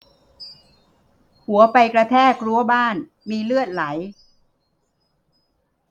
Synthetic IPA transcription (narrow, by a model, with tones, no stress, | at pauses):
hu˩˦ɐpa˧jkɾa˧t̪ʰɛː˥˩kɾu˧˥˦ɐbaː˥˩n | miː˧lɯ˥˩ət̪̚la˩˦j